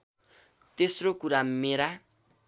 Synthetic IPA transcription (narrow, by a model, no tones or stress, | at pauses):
t̪esrokuɾameɾa